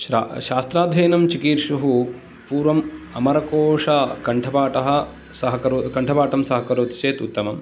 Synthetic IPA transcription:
aʃaːst̪ɾaːd̪ʱʋɐjnɐmt͡ʃikiːɾʂuɦu | puːɾʋɐmɐmɐɾɐkɔːʂɐkɐɳʈʰɐbaːʈɐɦɐ̆ | sɐɦɐkɐɾukɐɳʈʰɐbaːʈɐmsɐɦɐkɐɾuːt̪t͡ʃeːt̪ut̪ːɐmɐm

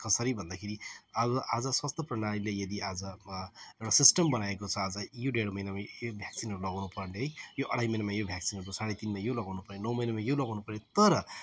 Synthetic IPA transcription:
kʌsʌɾibʱʌnd̪akʰeɾiʌbʌʔad͡zʌswast̪ʰʌprʌnaɽilejʌd̪iʔad͡zʌewʈasisʈʌmbʌnaekot͡sʰʌad͡zʌjoɖeɽmʌjnamajobʱjaksinɦʌɾulʌɡawnupʌrneɦʌjjoʔʌɽ̤ajmʌjnamajobʱjaksinɦʌɾkosaɽet̪inmajolʌɡawnupʌrnenʌwmʌjnamajolʌɡawnupʌɾjot̪ʌɾʌ

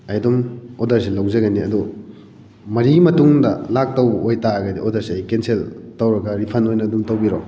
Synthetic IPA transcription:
ɐjdumodɐɾsilɐwzɐɡɐniɐ̰du | mɐɾimɐtuŋdɐ̰lak̚tɐwojtaɡɐdiʔodɐɾsiɐjkenseltɐwɾɐɡɐɾipʰɐnojnɐdumtɐwbiɾo

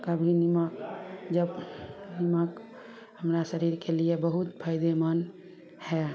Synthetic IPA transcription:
kəbʱinimakd͡ʒəbnimak | həmɾasəɾiɾkeliebəɦut̪pʰəɪd̪emən | hɛ

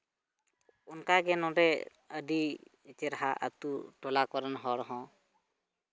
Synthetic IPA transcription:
unkaɡɛnɔ̃ɾɛ | əɖi | t͡ʃɛɾaɦaʔə̰t̪uʈɔlakɔɾənɦɔɾɔɦɔ̃

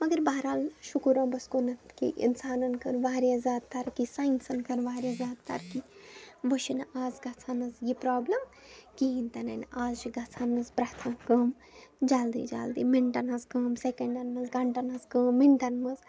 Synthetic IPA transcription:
mɐɡɐɾbaːɾaːlʃukuɾɐ̃ːbɐskonɐt̪kḭʔḭnsaːnɐnkɐɾʋaːɾjazaːd̪̚t̪ɐɾkisaːinsɐnkɐɾʋaːɾjazaːd̪t̪ɐ̰ɾkiʋɐʃinaːzɡɐt͡sʰanɐzjipɾaːblɐm | kiint̪ɐnɐnaːzt͡ʃiɡɐt͡sʰanɐzpɾaːt̪ʰɐ̃kɐːm | d͡ʒaːld̪ḭd͡ʒa̰ːld̪imiɳʈɐnɐzkəːmsekɐɳɖɐnmɐzɡɐɳʈɐnɐzkəːmːiɳʈɐnmɐz

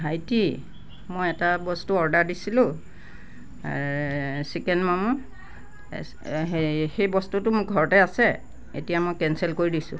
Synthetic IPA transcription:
ɦajti | mojɛtabɔstuɔɹdaɹdisilʊ̃ | aɹsikɛnmamu | xejbɔstutʊmʊkɡʱɔɹɔtɛasɛ | ḛtijamojkɛnsɛlkoɹidisʊ̰̃

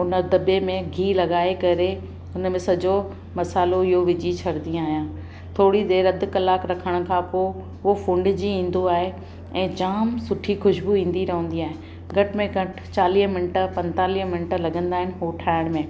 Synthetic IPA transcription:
ʊnə̆d̪ɐbemẽɡʱiːlɐɠaːekɐɾe | ʊnmẽsɐd͡ʑo | mɐsaːloɪɦoʋɪd͡ʑit͡ɕʰɐɾd̪ĩaːɦijãː | t̪ʰoːɽid̪eːɾɐd̪ʊ̆kɐlaːkɾɐkʰəɽ̃ʊ̆kʰãːpoː | ʊofʊ̃ɳɖd͡ʑiĩːn̆d̪oaːɦe | ɛ̃ːd͡ʑaːmsʊʈʰixʊʃbuĩːn̆d̪iɾɐɦə̃ːnd̪iaːɦẽ | ɡʱɐʈɪ̆mẽɡɐʈ | t͡ɕaːliːɦmɪnʈə̆pɐ̃nt̪aːliːɦmɪnʈəlɐɠə̃nd̪aːɦɪnɪɦoʈʰaːɪɽ̃mẽ

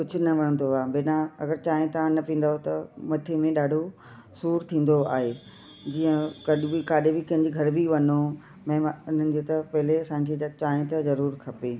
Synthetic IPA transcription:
kʊd͡ʑʱʊ̆nɐʋɐɽ̃ə̃nd̪oaːbeːnãɐɡəɾt͡ɕaːẽt̪ɐãnɐpĩːn̆d̪aɦot̪ɐmɐt̪ʰemẽɗaːɖʱo | suːɾt̪ʰĩːn̆d̪oa̰ːɦe | d͡ʑiːə̃kɐɗbikaːɗebɪkɐ̃ɦɪ̃ɲd͡ʑiɡʱɐɾbiʋɐno | mɐ̃ːʊn̤ənɪ̆d͡ʑeːt̪ɐpɐɦɪleɐsãːɲked͡ʑat͡ɕãːt̪ɐzɐɾuːɾkʰɐpeː

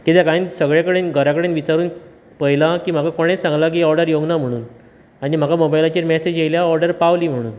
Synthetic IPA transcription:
kit̪ɛkansəɡɭjakəɽenɡʱəɾakəɽenʋit͡ɕaɾuːn | pəjlakiːm̤akakoɽ̃esãŋɡlak̬iɔɾɖəɾjoɡnam̤əɽ̃uːn | añim̤akamobajlat͡ɕeɾmɛsed͡ʑjeljaɔɾɖəɾpaʋliːm̤əɽ̃uːn

